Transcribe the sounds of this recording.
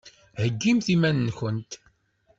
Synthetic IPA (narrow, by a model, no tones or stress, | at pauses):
həɡːimθimænnçənt̪